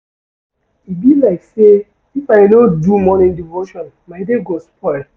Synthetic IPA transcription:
ibilaɪkse | ifaɪnõdumɔnĩndivoʃɔ̃n | maɪdeɡospɔɪl

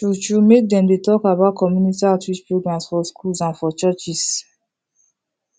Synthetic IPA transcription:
ut͡ʃumek̚dɛ̃mdetɔkabaʊt̚kɔmjunitiatʰwit͡ʃpɹoɡɹãmsfɔskʰulsãnfɔt͡ʃɜt͡ʃis

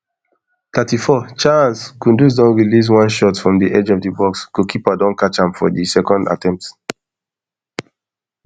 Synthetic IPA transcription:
t̪atifɔt͡ʃaãnskũndus̬dɔ̃nɹilis̬wãnʃɔtfɹɔ̃mdiʔɛd͡ʒɔfdibɔksɡ̥okʰipadɔ̃nkat͡ʃãmfɔdisɛkɔ̃nda̰tɛ̃mp̚ts

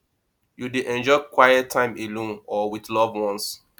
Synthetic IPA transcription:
judeʔɛ̃nd͡ʒɔɪkwajɛttʰːãɪ̃melõnɔwiðlɔvwɔ̃ns

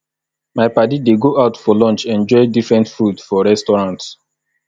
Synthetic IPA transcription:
maɪpadideɡoʔaʊtfɔlɔ̃nt͡ʃɛ̃nd͡ʒɔɪdifɹɛ̃ntfudfɔɹɛstɔɹãnts

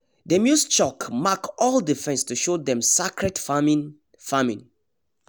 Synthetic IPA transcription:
dəmjust͡ʃɔkmakɔldifɛ̃nstuʃodɛ̃msakɹɛdfamĩn | famĩn

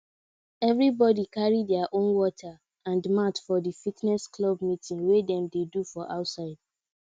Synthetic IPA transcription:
ɛvɹibɔdikaɹidɛaʔõnwɔtʰa | ãndmatfɔdifitnɛsklɔbmitʰĩŋɡwedɛ̃mdedufɔʔaʊtsaɪd̥̚

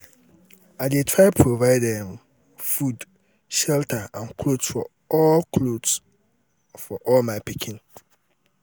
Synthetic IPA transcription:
adetʰɹaɪpʰɹovaɪdɛ̃m | fud | ʃɛltʰəãnkʰlodsfɔ | ɔlkʰlods | fɔʔɔlmãɪpʰikʰĩn

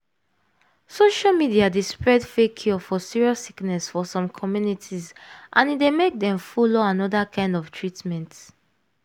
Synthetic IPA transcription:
soʃalmidiadespɹɛdfekʰiɔfɔsiɹiɔsiknɛsfɔsɔ̃mkʰɔmjunitʰizʔã̰nitdemek̚dɛ̃mfɔloãnɔdakʰãɪ̃ndɔftʰɹitmɛ̃nt

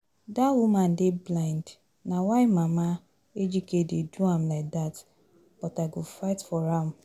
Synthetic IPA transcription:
dawuman̩dɪblaɪnd | nawaɪmama | ed͡ʒikededuam̩laɪk̚dat | b̥ɔtaɡofaɪtfɔɾam̩

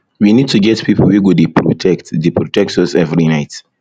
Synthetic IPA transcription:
winid̚tuɡɛtpipʰl̩wiɡodepɹo̰tʰɛktdepɹɔtɛk̚tɔsɛvɹinaɪt

